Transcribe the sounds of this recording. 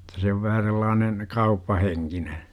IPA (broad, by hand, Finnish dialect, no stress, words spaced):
tɑ se oʋ ʋæhæ selːɑːnen kɑupːɑheŋkine